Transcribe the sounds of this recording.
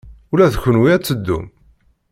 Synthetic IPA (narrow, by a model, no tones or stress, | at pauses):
ulæðçənwiæt͡sːəd̪ːṵm